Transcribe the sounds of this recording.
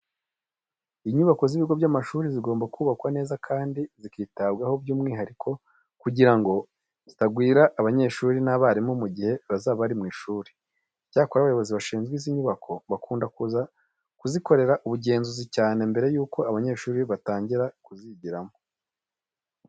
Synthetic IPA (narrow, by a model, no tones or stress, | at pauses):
iɲuβako̞ziβiɡo̞bɟamaʃuːɾiziɡo̞ːmbakuβakwane̞ːzakʰaːndizikiːtabɡaho̞bɟuːmŋiːɦaɾikʰo̞ | kuɟiɾaŋɡo | zitaɡwiːɾaʔːβaɲe̞ːʃuːɾinaβaɾimomuɟihe̞βazaːβaɾimŋiːʃuːɾi̥ | caːkoɾaβajo̞βo̞ziβaʃiːnzɡwiziɲuβakʰo̞βakuːndakuza | kuziko̞ɾe̞ɾaʔuβuɟe̞ːnzuzicaːne̞mbe̞ɾejuːko̞aβaɲe̞ːʃuːɾiβataːɲɟiɾakuziɟiɾamo